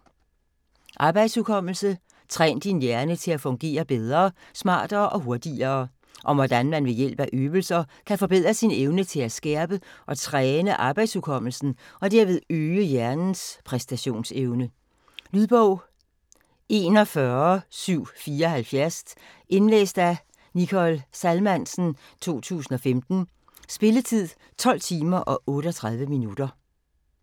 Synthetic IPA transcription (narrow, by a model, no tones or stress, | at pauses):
ʔɑ̈ːb̥ɑ̈ɪd̥sukʰɒ̽m̰l̩sə | t͡sʰʁɛ̰ːnd̥injæɐnət͡sʰe̝læfɔ̽ŋɡ̥e̝̰ːɐb̥eð̞ˠʁɐːsmɑ̰̈ːd̥ɐːʔɒ̽ɦo̝ɐd̥iɐː | ʔɒ̽ʋɒd̥ænmænʋe̝jel̰b̥æʔøːbl̩sɐkʰæfɒ̽b̥e̝ð̰ˠʁɐsineʊnət͡sʰe̝læsɡ̥ɛɐb̥əʔɒ̽t͡sʰʁɛːnəʔɑ̈ːb̥ɑ̈ɪd̥sukʰɒ̽m̰l̩sn̩ɒ̽d̥æɐ̰ʋe̝ð̞̩ˠøːəjæɐnn̩spʰʁɛsd̥æɕo̝̰ːnseʊnə | lyðˠb̥ɔʊ̰ | e̝ːnɒ̽fɶɐsyʊ̰fiːɐɒhælfjæɐs | e̝nlḛːsd̥æ | nikʰɒ̽lsælmæn̰sn̩ | t͡sʰo̝̰ːt͡sʰṵːsn̩ɒ̽femd̥n̩ | sb̥e̝lət͡sʰið̰ˠ | t͡sʰɒ̽l̰t͡sʰiːmɐʔɒ̽ʔɔ̽ːɾəɒ̽t͡sʰʁað̞ˠʋəminud̥ɐ